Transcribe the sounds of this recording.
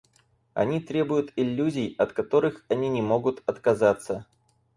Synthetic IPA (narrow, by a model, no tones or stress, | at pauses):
ɐ̰nʲit̪ɾʲe̞bʊjʊt̪ɪlʲːuzʲɪjɐt̪kɐt̪o̞ɾɨxɐnʲinʲɪmo̞ɡʊt̪ɐt̪kɐzat̪sə